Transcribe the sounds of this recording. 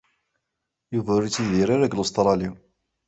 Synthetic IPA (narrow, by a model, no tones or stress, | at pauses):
juvəɾit͡sːiðiɾaɾaɡlost̪ɾˤɑli